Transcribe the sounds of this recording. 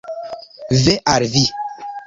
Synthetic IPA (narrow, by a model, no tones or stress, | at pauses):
vɛʔaɾvi